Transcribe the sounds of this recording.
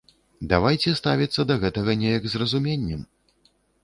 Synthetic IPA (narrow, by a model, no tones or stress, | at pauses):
d̪avajt͡sʲɛst̪avʲit̪sːɐd̪ɐɣɛt̪ɐɣɐnʲɛjɐɡzrɐzumʲenʲːɛm